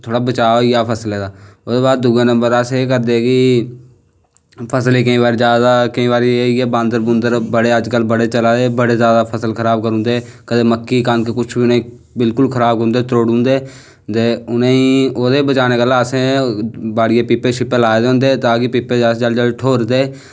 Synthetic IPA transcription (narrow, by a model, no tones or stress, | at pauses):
t̪ʰoːɽaːbət͡ʃaːoijaːpʰəsleːd̪aːʊd̪eːbaːd̪̚ːʊɡẽːnə̃mbəɾaseeːkəɾd̪eːkɪ | pʰəsleːkəĩːbaːɾiːd͡ʒjaːd̪aːkəĩβaːɾieːiɛːbãːnd̪əɾbʊ̃nd̪əɾbəɽeːəd͡ʒkəlbəɽeːt͡ʃəlaːd̪eːbəɽeːzjaːd̪aːpʰəsəlkʰəɾaːb̚kəɾũːnd̪eːkəd̪eːməkːiːkãnkekʊt͡ʃʰbiʊnẽ | bɪlkʊlkʰəɾaːbʊ̃ːnd̪eːt̪ɾoːɽũːnd̪eː | t̪eːʊnẽːiːoːd̪eːbət͡ʃaːneːkəlaːəsẽːbaːɽɪjẽːpiːpeːʃɪpeːlaːed̪ːʊ̃nd̪eːt̪aːkɪpiːpeːd͡ʒad͡ʒəld͡ʒəlʈʰoːɾd̪eː